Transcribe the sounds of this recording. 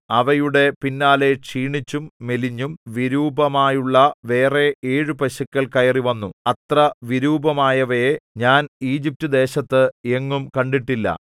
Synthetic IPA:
ɐʋɐjuɽe̞pinːaːle̞ʂiːɳit͡ɕːumːeliɲːumʋiɾuːbɐmaːjuɭːɐʋe̞ːre̞eːɻɨpɐɕɐkʲːɐɭkɐjɐriʋɐnːuɐt̪rɐʋiɾuːbɐmaːjɐʋɐjeɲaːniːd͡ʑip̚tɨd̪e̞ːɕɐt̪ːɨeŋːumkɐɳɖiʈːilːɐ̰

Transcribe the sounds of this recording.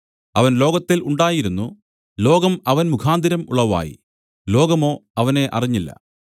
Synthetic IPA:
ɐʋɐnlo̞ːɡɐt̪ːiluɳɖaːjiɾunːu | lo̞ːɡɐmɐʋɐnmukʰaːnd̪ʱiɾɐmṵɭːɐʋa̰ːjḭ | lo̞ːɡɐmo̞ːɐʋɐne̞ʔɐ̰riɲːilːɐ̰

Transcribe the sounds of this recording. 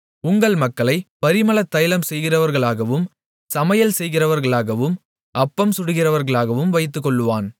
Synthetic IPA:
ʊŋɡɐɭmɐkːɐɭɐɪpɐɾɪmɐɭɐt̪ːɐjɐlɐmsɛjɣɪrɐʋɐɾɣɐɭaːɣɐʋɯm | sɐmɐjɐlsɛjɣɪrɐʋɐɾɣɐɭaːɣɐʋɯm | ɐpːɐmsʊɽɯɣɪrɐʋɐɾɣɐɭaːɣɐʋɯmʋɐɪt̪̬ːɯkːɔɭːɯʋaːn

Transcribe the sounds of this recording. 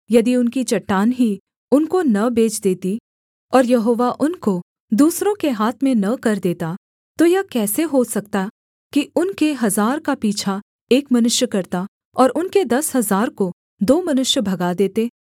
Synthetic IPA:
jɐd̪iʊnkit͡ʃɐʈːaːnɦi | ʊnkonɐbeːt͡ʃd̪eːt̪i | ɔːɾjɐɦoːʋaʔʊnko | d̪uːsɾõkeɦaːt̪ʰmẽnɐkɐɾd̪eːt̪a | t̪ojɐkɛːseɦosɐkt̪a | kiʊnkeɦɐzaːɾkapiːt͡ʃʰa | eːkmɐnʊʃjəkɐɾt̪a | ɔːɾʔʊnked̪ɐsɦɐzaːɾko | d̪oːmɐnʊʃjəbʱɐɡad̪eːt̪eː

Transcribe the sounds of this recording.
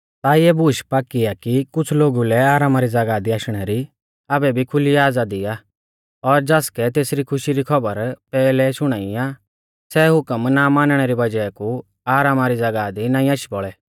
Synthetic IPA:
t̪aieːbʊʃpaːkiakikʊt͡sʰloːɡulɛaːɾaːmaɾid͡zɐɡaːd̪iaːʃɽ̃ɛɾi | abɛbʱikʰʊliaːd͡zad̪ija | ɔɾd͡ʒaːskɛt̪eːsɾikʰʊʃiɾikʰɐbəɾpɛːlɛʃʊɽ̃aːia | sɛɦʊkəmnamãːnɽ̃ɛɾibɐd͡ʒaɛku | aːɾaːmaɾid͡zɐɡaːd̪inaːĩaːʃibɔɭɛː

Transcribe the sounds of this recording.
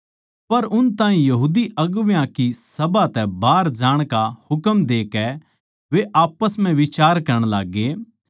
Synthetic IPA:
pɐɾʊnt̪ãːɦĩjɐɦuːd̪iɐɡʋjãkisɐbat̪ɛbaːɾd͡ʒaːɽ̃kahʊkəmd̪eːkɛ | ʋeʔaːpəsm̤ɛ̃ʋɪt͡ʃaːɾkɐɾəɽ̃laːɡːeː

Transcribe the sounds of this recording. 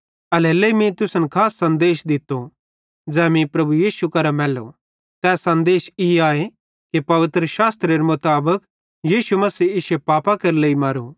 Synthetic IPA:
ɐleːleimĩt̪ʊsənkʰaːsːɐ̃nd̪eːʃd̪ɪt̪ːo | d͡zɛːmĩpɾɐbujiːʃukɐɾamɛːlo̰ | t̪ɛːsːɐ̃nd̪eːʃiaːe | kipɐʋɪt̪ɾəʃaːst̪ɾeɾemʊt̪aːbək | jiːʃumɐsiːɪʃepaːpakɐɾleːimɐɾu

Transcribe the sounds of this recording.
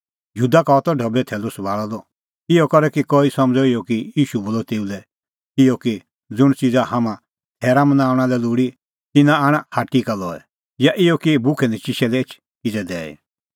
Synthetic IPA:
juːd̪akaɔt̪ɔɖʱəbɛt̪ʰɛːlʊsbaːɭɔd̪ɔ | ɪjɔkɔɾɛkikɔːisɐ̃md͡zɔɪjɔkijiːʃuboːlɔt̪eːulɛ | ɪjɔki | d͡zʊɽ̃t͡ʃid͡zahamã | t̪ʰɛːɾamənaːʊɽ̃alɛluːɽi | t̪ɪnãaɽ̃ahaːʈikalɔɛ̰ | jaʔɪjɔkibʊkʰɛnɛ̃t͡ʃiʃɛlɛet͡ʃʰ | kɪd͡zɛd̪ɛːḭ

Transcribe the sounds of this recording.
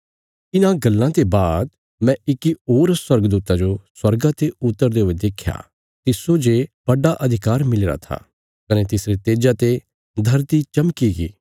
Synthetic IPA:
ɪnãɡɐlːãt̪ebaːd̪ | mɛ̃ɪkioːɾswɐɾɡd̪uːt̪ad͡ʒoswɐɾɡãt̪eʊt̪ːəɾd̪eoːed̪ekʰja̰ː | t̪ɪsod͡ʒeb̥ɐɖaʔɐd̪ʱɪkaːɾmɪleɾa̰t̪ʰa̰ | kɐnet̪ɪsɾit̪eːd͡ʒat̪e | d̪ʱɐɾt̪it͡ʃɐmkiɡḭː

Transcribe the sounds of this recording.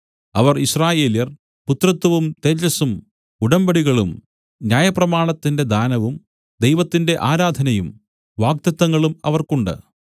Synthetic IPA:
ɐʋɐriɕraːje̞ːljɐr | put̪rɐt̪ːɐʋumt̪ed͡ʑɐsum | uɽɐmbɐɽiɣɐɭum | njaːjɐprɐmaːɳɐt̪ːinde̞d̪aːnɐʋum | d̪ejʋɐt̪ːinde̞ʔaːɾaːd̪ʱɐnɐjum | ʋaːɡ̚t̪jɐt̪ːɐŋːɐɭumɐ̰ʋɐrkuɳɖɨ̰

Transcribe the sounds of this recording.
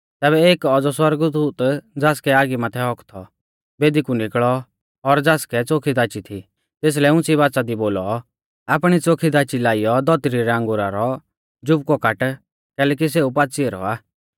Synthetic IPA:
t̪ɛːβɛeːkɔd͡zɔswɐɾɡd̪uːt̪d͡zaːskɛaːɡimat̪ʰɛɦɔkt̪ʰɔ | beːd̪ikunɪkɭɔ | ɔɾd͡zaːskɛt͡soːkʰid̪aːt͡ʃit̪ʰi | t̪eːs̬lɛʊ̃t͡siβaːsad̪iboːlɔ | aːpɽ̃it͡soːkʰid̪aːt͡ʃilaːijɔd̪ɔt̪ɾiɾɛə̃ŋɡʊɾaɾɔ | d͡ʒʊp̚kɔkaʈ | kɛːlɛːk̬is̬eːupaːt͡sieːɾɔ̰aː

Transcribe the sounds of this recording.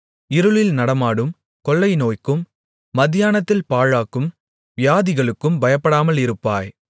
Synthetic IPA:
ɪɾɯɭɪlnɐɽɐmaːɽɯm | kɔlːɐɪnoːjkːɯmː | ɐðɪjaːnɐt̪ːɪlpaːɻaːkɯm | ʋɪjaːðɪɣɐɭɯkːɯmbɐjɐpːɐɽaːmɐlɪɾɯpːaːj

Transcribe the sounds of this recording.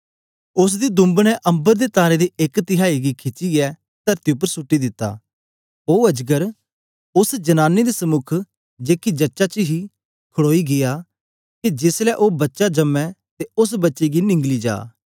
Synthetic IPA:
ʊs̬d̪id̪ʊ̃mbnɛʔɐ̃mbəɾd̪et̪aːɾed̪iekt̪ɪɦaːiɡikʰɪt͡ʃːiɛ | t̪ɐɾt̪iʊp̬ːəɾsʊʈːid̪ɪt̪ːa̰ː | oːɐd͡ʒɡəɾ | ʊsd͡ʒɐnaːnːed̪isəmʊkʰ | d͡ʒeːkid͡ʒɐtːʃat͡ʃəɦi | kʰəɽoːiɡɪjaː | kid͡ʒɪslɛʔoːbɐtːʃad͡ʒɐmːɛ̃t̪eʊs̬bɐtːʃeɡinɪ̃ŋɡlid͡ʒa̰ː

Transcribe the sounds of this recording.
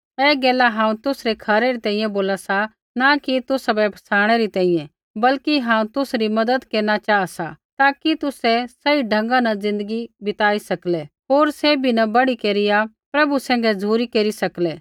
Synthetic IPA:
ɛːɡɛːlaɦãːũt̪ʊsɾɛkʰɐɾɛɾit̪ɛ̃ːĩjɛ̃boːlasa | nakit̪ʊsabɛpʰɐ̥saːɽ̃ɛɾit̪ɛ̃ːĩjɛ̃ | bɐlkiɦãːũt̪ʊsɾimɐd̪əd̪keːnat͡ʃaːasat̪aːkit̪ʊsɛsɐiɖʱɐ̃ŋɡãnad͡zɪ̃nd̪əɡibɪt̪aːisɐklɛɦoːɾsebʱinɐbɐɽikeːɾɪja | pɾɐbusɛ̃ːŋ̆ɡɛd͡zʱuːɾikeːɾisɐklɛː

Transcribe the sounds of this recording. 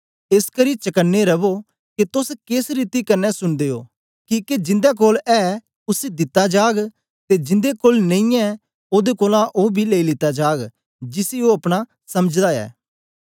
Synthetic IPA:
eskɐɾit͡ʃɐkənːeɾɐbo | kit̪ʊskeːsɾiːt̪ikɐɾnːɛsʊnd̪eːo̰ː | kiːked͡ʒɪ̃nd̪ak̬oːlɛː | ʊsed̪ɪt̪ːad͡ʒaːɡ | t̪ed͡ʒɪ̃nd̪ekoːlnẽĩɛ̃ | oːd̪ekoːlãʔoːbʱileːilɪt̪ːad͡ʒaːɡ | d͡ʒɪsioɐpɽ̃a | sɐməd͡ʒd̪aɛ̰ː

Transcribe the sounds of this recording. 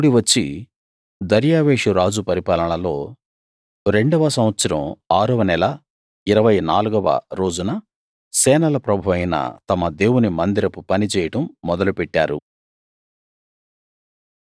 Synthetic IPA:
ɽiʋɐt͡ʃːi | d̪ɐɾjaːʋeːʂuɾaːd͡ʒupɐɾipaːlɐɳɐlo̞ː | ɾe̞ɳɖɐʋɐsɐmʋɐt̪sɐɾɐ̰maːɾuʋɐnɛlɐ | iɾɐʋɐjnaːluɡɐʋɐ̰ɾo̞ːd͡ʒunɐ | sɛːnɐlɐpɾɐbʱuʋɐjnɐ̰t̪ɐmɐd̪e̞ːwunimɐnd̪iɾɐpupɐnit͡ʃɛːjɐʈɐmːɔd̪ɐlupɛʈːaːɾṵ

